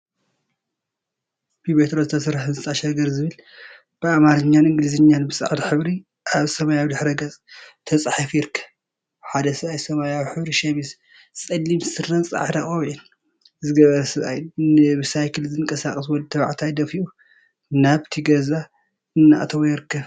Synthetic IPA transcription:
bibet̪ɾozɨt̪ʰɐsɾħɨnzɨt̪ʼaʃɐɡɐɾzɨβɨl | b̥ɨamaɾɐɲːanɨŋɡlizɨɲːanbɨsʼa̰ʕd̪ɐħɨβɾi | ʔaβsɐmajawd̪ɨħɾɐɡɐt͡sʼt̪ʰɐsʼħafjɪɾkʰɐ̥ | ħad̪ɐsɨajsɐmajawħɨβɾiʃɐmis | t͡sʼɐlːimsɨrːɐnt͡sʼa̰ʕd̪aχʼɐβʕin | zɨɡɐβɐɾɐsɨβʔa̰jɨbɨsajkʰɨlzɨnkʼɐsaχʼɐswɔlt̪ʰɐβaʕt̪ʰajd̪ɐfiʔu | naβt̪ʰiɡɐza | ɨnːa̰ʔt̪ʰɐβojɪɾɨkʰːɐ

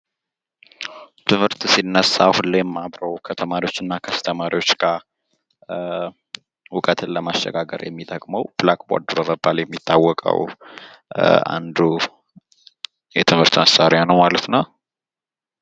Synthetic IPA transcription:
t̪ʰɨmhɨɾt̪sinːəsːahulːejɛmːaβɾəwkʰət̪ʰəmaɾiwo̞t͡ʃːɨnːakʰəst̪ʰəmaɾiwo̞t͡ʃːɡa | wʊkʼət̪ʰɨnləmaʃɛ̰ɡaɡə̰ɾjɛ̰mːit̪ʼəkʼməwb̥lakʼbo̰ɾd̪uɾəməbːaljɛmːit̪ːawːɔkʼə̰w | a̰nd̪u | jɛt̪ʰɨmhɨɾt̪məsːaɾjanəwmalət̪na

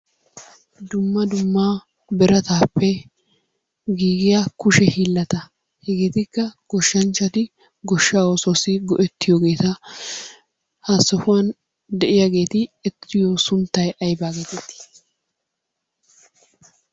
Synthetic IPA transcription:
d̪ʊmːɐd̪ʊmːaː | bɛɾɐt̪aːpːɛ | ɡiːɡɪjaːkʊʃɛhiːlːɐt̪ɐ | hɛɡe̞ːt̪ɪkːɐɡ̥ɔʃːɐnt͡ʃːɐt̪ɪ | ɡɔʃːaːwɔsosɪɡɔʔɛt̪ːɪjoɡe̞ːt̪ɐ | hasɔfʊwɐn | d̪ɛʔɪjaɡe̞ːt̪ɪɛt̪ːɪjosʊnt̪ːɐjʔɐjbaːɡe̞ːt̪ɛt̪ːɪ̥

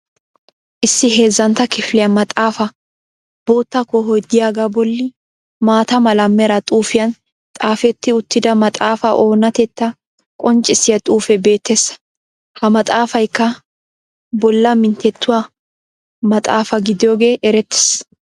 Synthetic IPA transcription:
ʔɪsːɪhe̞ːzːɐnt̪ːɐkɪflɪjɐnmɐt̪ʼaːfɐ | b̥oːt̪ːɐkːɔɦɔjd̪ɪjaːɡaːbɔlːɪ | maːt̪ɐmɐlɐmːɛɾɐt̪ʼuːfɪjɐn | t̪ʼaːfɛt̪ːɪʊt̪ːɪd̪ɐmɐt̪ʼaːfɐʔo̞ːnɐt̪ɛt̪ːɐ | kʼɔnt͡ʃʼːɪsːɪjɐt̪ʼuːfɛbe̞ːt̪ːesɐ̥ | hɐmɐt̪ʼaːfɐjkːɐ | bɔlːɐmɪnt̪ɛt̪ːʊwa | mɐt̪ʼaːfɐɡɪd̪ɪjo̞ːɡe̞ːʔɛɾɛt̪ːe̥ːs

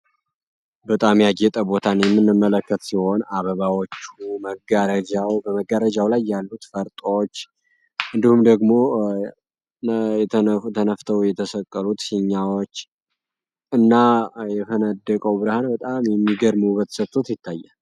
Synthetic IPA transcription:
bət̪ʼamjaɡɛt̪ʼəbo̞t̪ʰanjɛmːɨnːɨmːələkːət̪siho̞naβəβawot͡ʃːuməɡaɾəd͡ʒawbəməɡəɾəd͡ʒawlajːalːut̪fəɾt̪ʼt͡ʃː | ʔɨnd̪ihumd̪əɡmo̞ | ɛt̪ʰənəft̪ʰəwjɛt̪ʰəsəkʼːəlut̪sɨɲːawot͡ʃː | ɨnːajɛfənəd̪ːəkʼəwbɨɾahanbət̪ʼamjɛmːiɡəɾməubət̪ʰə̥sət̪ʰʼːot̪jɪt̪ʰːajːə

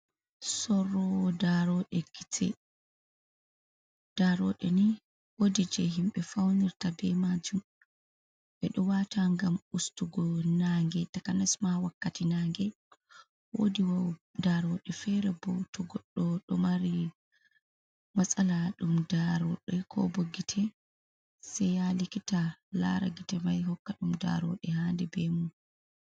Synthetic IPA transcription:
sɔrːɔwɔdaɾɔɗɛɡitʰɛ̰ | d̥aɾɔɗɛni | wodid͡ʒɛɦimɓɛfawniɾtabɛmad͡ʒum | ɓɛɗɔwatʰaŋɡamustuɡɔnaŋɡɛtakanasmawakːatinaŋɡɛ | wo̰diwadaɾɔɗɛfɛɾɛbɔtɔɡɔɗːɔɗɔmaɾi | masʼalaɗumdaɾɔɗɛkʰɔ̰boɡitʰɛ | sɛjalikitala̰ɾa̰ɡitɛmajhɔkːaɗumda̰ɾɔ̰ɗɛhaːndɛbɛmun

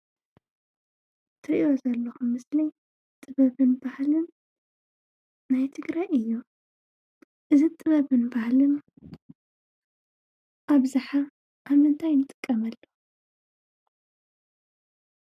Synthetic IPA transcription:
t̪ʰɨɾiio̞zɐlːɐxumːɨsli | t̪ʼɨβɐβɨnbahlɨn | ajt̪ʰɨɡɾajɨjːu | ʔɨzit̪ʼɨβɐβɨnbahlɨn | ʔaβzaħa | ʔaβɨnt̪ʰajnɨt̪ʼɨ̥kʼːɐmɐlːo

